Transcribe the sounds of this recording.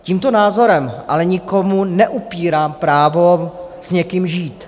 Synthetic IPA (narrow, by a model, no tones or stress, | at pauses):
ciːmt̪onaːzo̞ɾɛmʔalɛɲɪkomunɛʔupiːɾaːmpɾaːvo | z̥ɲɛkimʒiːt̪